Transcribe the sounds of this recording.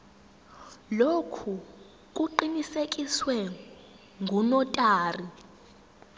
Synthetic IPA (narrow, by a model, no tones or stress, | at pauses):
lokʰu | k̬ʼuǃinisek̬ʼiswɛ | ŋɡʱunɔtʼaːri